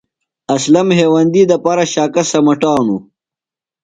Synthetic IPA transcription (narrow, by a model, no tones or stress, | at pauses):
ɐslɐmɦeːwɐnd̪iːd̪ɐpaːɾɐɕaːkɐsɐmɐʈaːnu